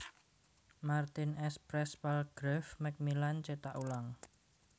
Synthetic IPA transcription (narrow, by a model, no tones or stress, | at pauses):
mart̪ɪnɛspɾɛswalɡ̥ɾɛfmɛk̚milant͡ʃet̪aʔulaŋ